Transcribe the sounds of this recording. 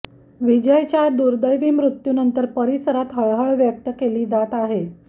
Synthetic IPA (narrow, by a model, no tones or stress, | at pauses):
ʋid͡ʑəjt͡ɕjad̪uɾd̪əjʋiːmɾut̪junənt̪əɾpəɾisəɾat̪ɦəɭɦəɭʋjək̚t̪əkeliːd͡zat̪aɦe